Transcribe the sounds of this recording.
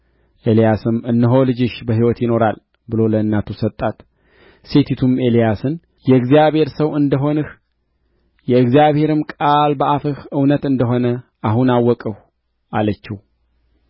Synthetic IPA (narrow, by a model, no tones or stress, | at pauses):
ʔe̞lijasɨmɨnːɨɦo̞lɨd͡ʒɪʃbəɦiwɔt̪jɪno̞ɾal | bɨlo̞ləɨnːat̪ʰusət̪ʼːat̪ | se̞t̪ʰit̪ʰume̞lijasɨn | jɛɨɡzijaβhe̞ɾsəwɨnd̪əɦo̞nɨh | jɛɨɡzijaβhe̞ɾɨmkʼalbəʔafɨhɨwnət̪ɨnd̪əɦo̞nəʔaɦunawːɔkʼəw | ʔalət͡ʃːɪw